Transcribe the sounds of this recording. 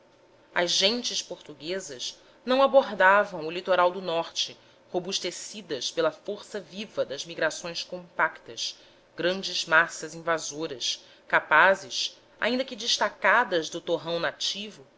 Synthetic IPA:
ɐzʒẽnt͡ʃɪʃpoɾt̪uɡezɐʃ | nɐ̃w̃aboɦd̪avɐ̃w̃ʊlit̪oɾawd̪ʊnɔχt͡ʃɪ | hobuʃt̪esid̪ɐʃpelɐfoɾsɐvivɐd̪ɐzmiɡɾasõj̃skõmpakt̪ɐʃ | ɡɾɐ̃nd͡ʒɪzmasɐzĩvazoɾɐʃ | kapazɪʃ | a̰ĩnd̪ɐkɪd͡ʒɪʃt̪akad̪ɐzd̪ʊt̪oɦɐ̃w̃nat͡ʃivʊ

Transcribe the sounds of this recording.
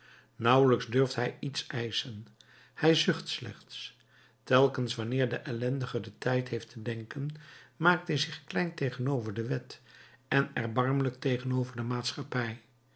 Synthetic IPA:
nʌwələkzdɵɹftɦɛjitsɛjsən | hɛjzʏχtslɛ̰χts | tɛlˠkənsʋɑnɪːɹdəʔɛlɛndəχəɹdətɛjtɦejftʰədɛŋkənmaːk̚tɦɛjzɪχklɛjntejχənowvəɹdəʋɛtɛnɛɹbɑɹmələk̚tejχənowvəɹdəmaːtsχɑpɛj

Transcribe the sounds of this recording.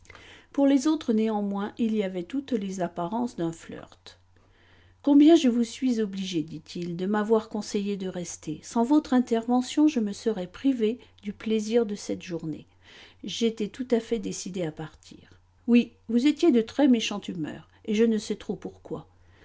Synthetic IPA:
puʁlezot̪χəneɑ̃mwɛ̃ʔilijavɛt̪ut̪lezapaʁɑ̃sd̪ɛ̃flœ̰ʁt̪ | kɔ̃bjɛ̃ʒəvusɥizɔbliʒed̪it̪ʰild̪əmavwaʁkɔ̃sejed̪əʁɛst̪ʰesɑ̃vɔt̪χɛ̃t̪ɛʁvɑ̃sjɔ̃ʒəməsəʁɛpχived̪ypleziʁd̪əsɛt̪ʒuʁnḛ | ʒet̪ɛt̪ut̪afɛd̪esid̪eapaʁt̪ʰḭːʁ | wi | vuzet̪jed̪ət̪χɛmeʃɑ̃t̪ymœ̰ːʁ | eʒənəsɛt̪χopuʁkwa̰

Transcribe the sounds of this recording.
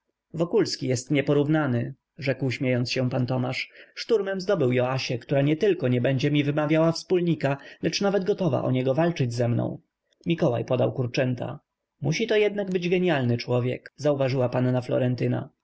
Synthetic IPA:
vɔkulskʲijɛst̪ɲɛpɔɾuvnanɘ | ʐɛkwɕmʲejɔntsɕɛ̃pant̪ɔmaʂʂt̪uɾmɛmzd̪ɔbɘwjɔaɕɛkt̪uɾaɲɛt̪ɘlkɔɲɛbɛɲd͡ʑɛmʲivɘmavʲjawafspulɲikalɛt͡ʂnavɛd̪ɡɔt̪ɔva̰ʔɔ̰ɲɛɡɔvalt͡ʂɘd͡ʑzɛmnɔ̰̃w̃ | mʲikɔwa̰jpɔd̪awkuɾt͡ʂɛnt̪a̰ | muɕit̪ɔjɛd̪naɡbɘd͡ʑɡɛɲjalnɘt͡ʂwɔvʲjɛ̰kzauvaʐɘwapanːaflɔ̰ɾɛnt̪ɘna̰

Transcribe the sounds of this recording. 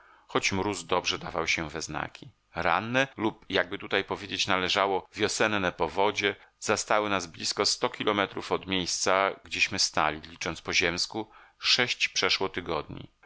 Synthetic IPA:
xɔt͡ɕmɾuzd̪ɔbʐɛd̪avawɕɛvɛzna̰kʲi | ɾa̰nːɛlupjaɡ̚bɘt̪ut̪ajpɔvʲjed͡ʑet͡ɕnalɛʐawɔvʲjɔsɛnːɛpɔvɔd͡ʑɛzast̪awɘnazblʲiskɔst̪ɔkʲilʔɔmɛt̪ɾufɔd̪mʲjejst̪saɡd͡ʑeɕmɘst̪a̰lʲilʲit͡ʂɔnt̪spɔʑɛmskuʂɛɕt͡ɕpʂɛʂwɔt̪ɘɡɔd̪ɲḭ

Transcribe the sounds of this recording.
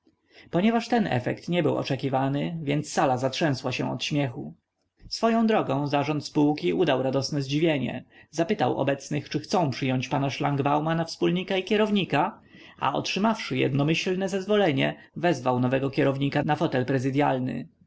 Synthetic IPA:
pɔɲɛvaʂt̪ɛnɛ̰fɛ̰kt̪ɲɛbɘwɔ̰t͡ʂɛkʲivanɘvʲjɛnt̪sːalazatʂɛ̃w̃swaɕɛ̰̃ɔ̰t̪ɕmʲjɛxu | sfɔjɔ̃w̃d̪ɾɔɡɔ̃w̃zaʐɔnt̪spuwkʲiʔud̪awɾad̪ɔsnɛzd͡ʑivʲjeɲɛ̰zapɘt̪a̰wʔɔ̰bɛt̪snɘxt͡ʂɘxt̪sɔ̃w̃pʂɘjɔɲt͡ɕpanaʂlaŋɡbawmanafspulɲikaikʲɛɾɔvɲika | a̰ɔ̰tʂɘmafʂɘjɛ̰d̪nɔmɘɕlnɛzɛzvɔlɛɲɛvɛzvawnɔvɛɡɔkʲɛɾɔvɲikanafɔt̪ɛlpɾɛzɘd̪jalnɘ̰

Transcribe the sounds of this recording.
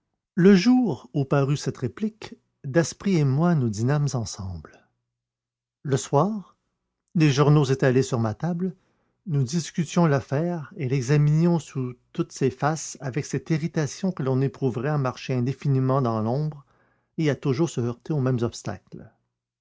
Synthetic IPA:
ləʒuːʁupaʁysɛt̪ʁeplik | d̪ɛspʁiemwanud̪inamzɑ̃sɑ̃ːbl | ləswaːʁ | leʒuʁnozet̪alesyʁmat̪abl | nud̪iskʲyt̪jɔ̃lafɛːʁelɛɡzaminjɔ̃sut̪ut̪sefasavɛksɛt̪iʁit̪asjɔ̃kəlɔ̃nepχuvʁɛamaʁʃeɛ̃d̪efinimɑ̃d̪ɑ̃lɔ̃ːbʁ | eat̪uʒuːʁsəœʁt̪eomɛ̃mzɔpst̪a̰kl

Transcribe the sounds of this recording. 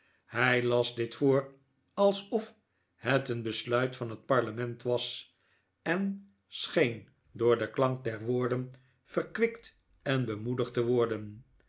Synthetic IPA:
hɛjlɑzdɪtfoːɹ | ɑlˠsɔf | hɛtənbəslœɥtfɑnɦət̚pɑɹləmɛntʋɑs | ɛn | sχejn | dʊːɹdəklɑŋk̚dɛɹʋʊːɹdən | fəɹkʋɪkt | ɛnbəmudəχtəʋɔɹdən

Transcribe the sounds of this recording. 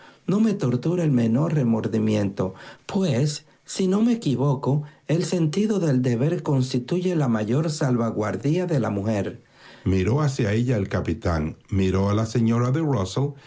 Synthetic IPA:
no̞me̞t̪o̞ɾt̪uɾaelme̞no̞ɾre̞mo̞ɾðimjẽ̞nt̪o̞pwesː | ino̞mekiβo̞koelse̞nt̪iðo̞ðe̞ld̪e̞βe̞ɾko̞nst̪it̪uʝe̞lamaʝo̞ɾsalβaɣwaɾðiaðe̞lamuxe̞ɾ | miɾo̞asjae̞ʎaelkapit̪aŋmiɾo̞alase̞ɲo̞ɾaðerosel

